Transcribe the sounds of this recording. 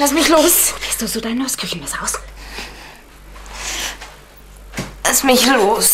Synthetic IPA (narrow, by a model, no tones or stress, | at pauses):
lasmɪçloːsoːv̥iːɐstd̥uːzoːdaɪnɔɪskʰʏçn̩mɛsaʊs | lasmɪçloːs